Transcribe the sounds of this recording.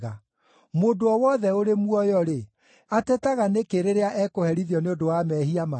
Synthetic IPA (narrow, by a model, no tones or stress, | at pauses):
ɣa | modoɔwɔðɛoɾemuɔjɔɾe | atɛtaɣanekeɾeɾeaʔɛkohɛɾiðjɔneodowamɛɦiama